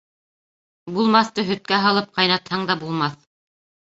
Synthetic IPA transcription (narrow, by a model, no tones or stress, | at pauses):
bulˠmɑθt̪ɤɦɵ̆t̪̚kæɦɑlˠɤp̚qɑjnɑt̪hɑɴd̪ɑbulˠmɑθ